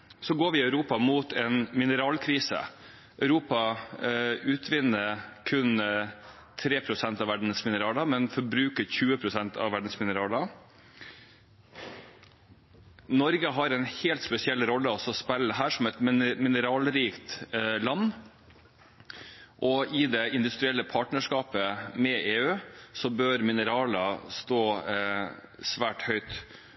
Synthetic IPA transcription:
sɔɡoːɾʋɪɑʉɾuːpɑmuːt̪ʰɛnmɪnəɾɑːlkʰɾiːsə̰ | ʔœʉɾuːpɑ | ʉːt̪ʰʋɪnːəɾkʰʉn | t̪ʰɾeːpʰɾʊsɛnt̪ɑʋæɖɳ̩smɪnəɾɑːlɑmɛnfɔɾbɾʉːkəɾçʉːəpʰɾʊsɛnt̪ʰɑ̰ʋæɖn̩smɪnəɾɑːlɑ | nɔɾɡəɦɑɾɛnheːlt̪spɛsɪɛlːɾɔlːəɔsɔspɛlːəd̪ɛɦæːʂɔmɛt̪mmɪnəɾɑːlɾiːkt̪lɑnː | ʔɔɪd̪ɛɪnd̪ʉst̪ɾɪɛlːəpʰɑːʈnəʂkɑːpəmɛeːʉːsɔbøːɾmɪnəɾɑːlɑst̪oː | sʋæːʈhœʏt̪

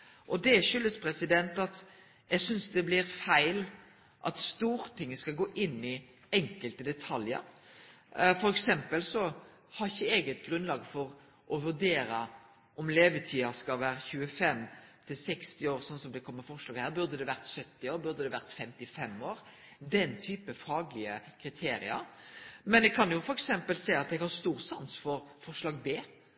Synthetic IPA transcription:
ʔɔd̪ɛʃʏlːəspʰɾɛsɪd̪ɛnt̪ɑt̪ | jɛɡsʏnsd̪ɛblɪɾfæɪl | ʔɑ̰t̪st̪uːɾət̪ʰɪŋːəskɑlɡoːʔɪnːɪ | ɛŋkəlt̪əd̪ɛt̪ʰɑljə̰ɾ | fɔɾɛksɛmpəlsɔ | hɑɾɪçːəeːɡət̪ɡɾʉnlɑːɡfɔɾ | ʔɔʋʉɾd̪eːɾɑ | ʔɔmleːʋət̪ʰiːɑskɑʋæːɾçʉːəfɛmt̪ʰɪlsɛkst̪ɪoːɾsɔnsɔmd̪ɛkʰɔmːəfɔʁʂlɑːɡhæːʁbʉɾd̪əd̪ɛʋæʁt̪sœt̪ːɪoːɾbʉɾd̪əd̪ɛʋæʁt̪fɛmt̪ɪfɛmoːɾ | d̪ɛnt̪ʰyːpəfɑːɡlɪəkʰɾɪt̪ʰeːɾɪ̰ɑ̰ɾmɛnɛɡ̚kʰɑnjʊfɔɾɛksɛmpəlsɛɪɑt̪̚d̪ɛɡhɑst̪uːɾsɑnsfɔɾfɔʁʂlɑːɡbeː

